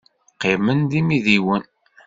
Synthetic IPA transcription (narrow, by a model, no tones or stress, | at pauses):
qːimənðimiðiwən